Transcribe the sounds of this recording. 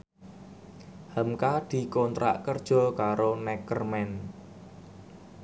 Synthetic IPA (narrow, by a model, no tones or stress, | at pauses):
həmkad̪̥i̤kɔnt̪ɾa̰ʔkərd̥ʒ̥ɔ̤kaɾonɛkərmɛn